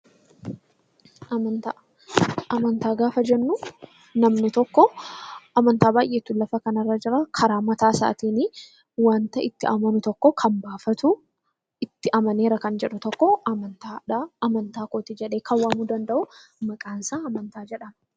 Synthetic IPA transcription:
ɐnt̪a | ʔɐmɐnt̪aːɡaːfɐd͡ʒɛnːʊ | nɐmnɪt̪ɔkːɔʔɐmɐnt̪aːbaːjʔeːt̪ːʊlɐfɐkɐnɐrːɐd͡ʒɪɾɐkʰɐɾaːmɐt̪aːsa̰ːt̪iːni | waːnt̪ɐɪt̪ːɪʔɐmɐnʊt̪ɔkːɔkʰɐnbaːfɐt̪ʊ | ɪt̪ːɪʔɐmɐne̞ːɾɐkɐnd͡ʒɛᶑʊt̪ɔkːɔɐɐnt̪aᶑaɐmɐnt̪aːkoːt̪ɪd͡ʒɛᶑe̞ːkʰɐwːaːmuːd̪ɐnd̪ɐʔʊmɐkʼaːnsaːɐmɐnt̪aːd͡ʒɛᶑɐn

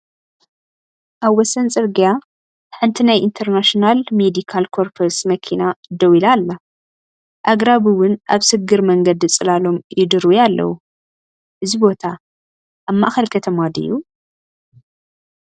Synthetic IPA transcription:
ʔaβwɔsɐnt͡sʼɨɾɡija | ħɨnt̪ʰinajʔint̪ʰɐɾnaʃinalmed̪ikʰalkʰo̞ɾfʰɐɾsmɐkʰinad̪ɐwilalːa | ʔaɡɾaβɨwʊnʔa̰βsɨɡɨɾmɐŋɡɐd̪ɨt͡sʼɨlalo̞mjɪd̪ɨɾujalːɐ̰wu | ʔɨzibo̞t̪ʰa | ʔamːaʔaxɐlkʰɐt̪ʰɐmad̪ɨ̰jːu

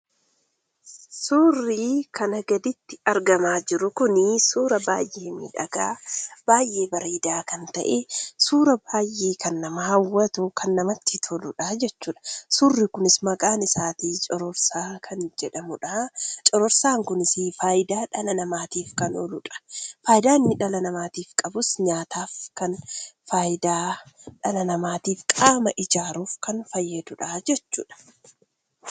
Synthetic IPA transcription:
suːrːiːkʰɐnɐɡɐd̪ɪt̪ːɪɐɾɡɐmaːd͡ʒɪɾʊkʊnɪsuːɾɐba̰ːjʔe̞ːmḭːᶑɐɡaːb̥aːjʔe̞ːbɐɾiːd̪aːkɐnt̪ɐ̰ʔesuːɾɐbaːjːeːkɐnːɐmɐhɐwːɐt̪ʊkʰɐnːɐmɐt̪ːit̪ʰɔlʊᶑad͡ʒɛt͡ʃːuːᶑɐ̥suːrːikʊnɪsmɐkʼaːnɪsaːt̪iːt͡ʃʼɔɾɔɾsaːkʰɐnd͡ʒɛᶑɐmʊᶑɐt͡ʃʼɔɾɔɾsaːŋkʊnɪsifaːjɪd̪aːᶑɐlɐnɐmaːt̪iːfkɐnɔ̰lʊᶑɐ̥faːjɪd̪aːnːɪᶑɐlɐnɐmaːt̪iːfkʼɐbʊsɲaːt̪aːfkɐnfaːjɪd̪aːᶑɐlɐnɐmaːt̪iːfkʼaːmɐʔɪd͡ʒaːɾuːfkɐnfɐjːɐd̪ʊᶑad͡ʒɛt͡ʃːṵːᶑɐ̥

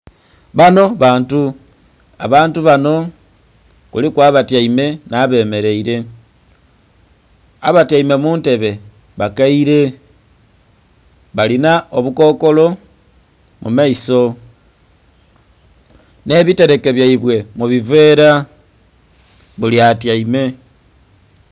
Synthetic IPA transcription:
βano̞βaːntu | a̰βaːntuβano̞ | kulikwaːβataime̞naβe̞me̞ɾe̞iɾe̞ | aβatjaime̞muːnte̞βe̞ | βakaiɾe̞ | βalinaoβuko̞ːko̞lo̞ | mṵmaiso̞ | ne̞βite̞ɾe̞ke̞βjaiβwe̞muβiveɾa | βuliatjaime̞

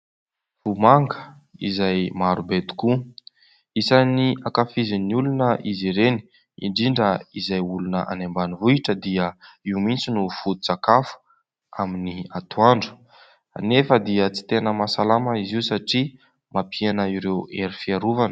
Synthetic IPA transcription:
v̥umaŋɡə̥ | ḭzajmaɾubet̪u̥ku | isaniakafiziniulunəʔiziɾeni̥ | ḭɳɖ͡ʐiɳɖ͡ʐəizajulunə̰ʔa̰nembanivuiʈ͡ʂəd̪iəiumint͡sinufut̪ut͡sakafu̥ | aminiat̪uaɳɖ͡ʐu̥ | nefəd̪iət͡si̥t̪enəmasalaməiziusaʈ͡ʂi | mapʰianəiɾeweɾifiaɾuvanə̥

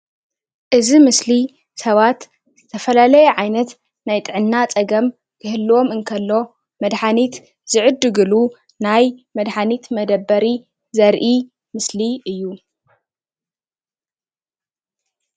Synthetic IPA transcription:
ʔɨzimɨsli | sɐβat̪ | zɨt̪ʰɐfɐlalɐjɛʕajnɐt̪ | najt̪ʼɨʕɨnːat͡sʼɐɡɐm | kʰɨɦɨlːo̞mɨŋkʰɐlːo̞ | mɐd̪ħanit̪ | zɨʕɨd̪ɨɡɨlu | najmɐd̪ħanit̪mɐd̪ɐbːɐɾi | zɐɾʔi | mɨsliɨjːu

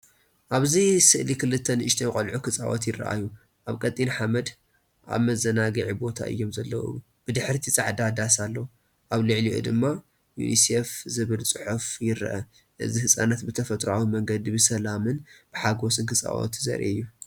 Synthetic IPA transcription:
ʔaβzisɨʔlikʰɨlɨt̪ʰːɐnɨʃt̪ʰenkʼɐlʕukʰɨt͡sʼa̰wɐ̰t̪jɪrːɐ̰ʔa̰ju | ʔaβkʼɐt̪ʼinħamɐd̪ | ʔa̰βmɐzɐnaɡɨʕibo̞t̪ʰa̰ʔɨ̰jːo̞mzɐlːɐwɨ̰wu | b̥ɨd̪ɨħɾt̪ʰit͡sʼaʕd̪ad̪asalːɐwu | ʔaβlɨʕliʔṵd̪ɨmːa | jṵnisefzɨβɨlt͡sʼɨħufjɪɾ̰ʔɐ | ʔɨzihɨsʼanat̪bɨt̪ʰɐfɐt̪ʼɾawimɐŋɡɐd̪ibɨsɐlamɨnb̥ɨħaɡo̞sɨnkʰɨt͡sʼa̰wo̰t̪ʰizɐ̰ɾʔḭɨjːu

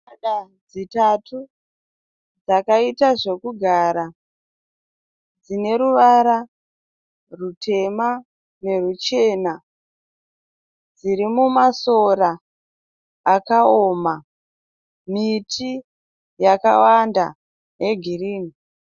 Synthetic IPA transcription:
aɗad͡zitatʰu | d͡zakaitaʐe̞kuɡʱaɾa | d͡zine̞ɾuʋaɾa | rutʰe̞ma | ne̞rut͡ʃe̞ːna | d͡ziɾimumaso̞ra | kaoma | mitʰi | jaka̰wanda̰ | je̞ɡʱiriːni

